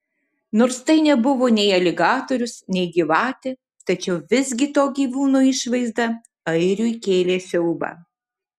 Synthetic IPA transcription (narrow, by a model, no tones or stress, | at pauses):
noːɾst̪ɐɪnʲɛbʊʋoːnʲɛɪɐlʲɪɡɑːt̪oːɾʲʊsnʲɛɪɡʲiʋɑːt̪ʲe | t̪ɐt͡ʃʲɛʊʋʲɪzʲɡʲɪt̪oːɡʲiːʋuːnoːɪʃʋɐɪzd̪ɐ | ɐɪɾʲʊɪkʲeːlʲeːsʲɛʊbɐ̰ː